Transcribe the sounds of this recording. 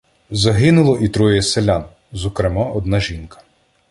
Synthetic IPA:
zɐɦɪnʊlˠɔʔit̪ɾɔjɛselʲan | zɔkɾemɑʔɔd̪nɑʒʲinkɐ̥

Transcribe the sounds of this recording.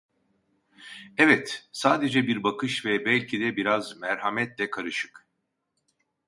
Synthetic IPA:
ɛvɛt̪saːd̪e̞d͡ʒɛbiɾbakʰɯʃvɛbælʲcʰid̪ɛbiɾazmæɾɦamɛt̪lɛkʰaɾɯʃɯ̥k

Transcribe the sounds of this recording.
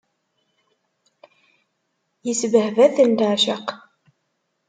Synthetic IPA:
jəsvəhvæθənd̪aʕʃəq

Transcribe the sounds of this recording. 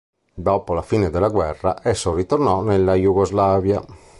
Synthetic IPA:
d̪ɔːpolafiːned̪elːaɡwɛrːa̰ʔɛsːorit̪ornɔnelːajuɣozlaːvja

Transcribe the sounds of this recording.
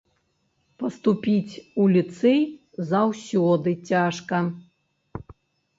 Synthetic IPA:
pɐst̪upʲit͡sʲulʲit̪sɛj | zawsʲɔd̪ɨt͡sʲaʂkɐ

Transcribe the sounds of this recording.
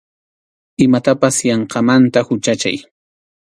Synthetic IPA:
ɪmat̪apasjɑɴqɑmant̪ahʊt͡ʃat͡ʃa̰j

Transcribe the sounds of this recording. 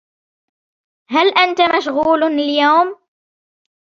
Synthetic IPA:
ɦalʔant̪amaʃɣuːlljawm

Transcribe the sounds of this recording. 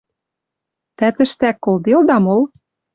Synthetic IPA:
t̪æt̪ɘ̆ʃt̪ækːold̪eld̪ɑmol

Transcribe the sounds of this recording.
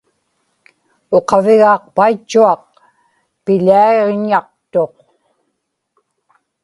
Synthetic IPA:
oqɑvɪɣɑːq̚pait͡ʃːuɑq | pɪʎaeʁɲɑq̚t̪o̞q

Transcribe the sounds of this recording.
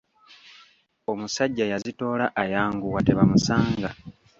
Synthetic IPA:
o̞musaɟːajazito̞ːlaʔajaːŋɡuwateβamusaːŋɡa

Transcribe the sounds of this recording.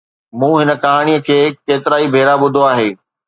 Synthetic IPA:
mũːɦɪnəkaːɽ̃ijə̆kʰeːkeːt̪ɪɾaːibʱeːɾaɓʊd̪ʱoaːɦeː

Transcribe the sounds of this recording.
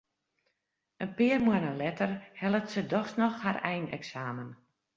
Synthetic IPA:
ənpɪːərmwənəlɛtərhɛlˠəftsədɔxsnɔxharɛjnɛ̰ksaːmən

